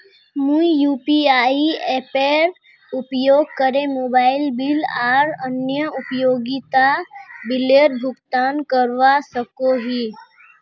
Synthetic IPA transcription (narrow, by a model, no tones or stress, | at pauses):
mũijuːpiaːieːpeɾ | ʊpjoːɡ̚kəɾemoːbaːɪlbilaːɾənjəʊpjoːɡit̪abɪleːɾbʱʊɡt̪aːnkəɾʋasəkoɦiː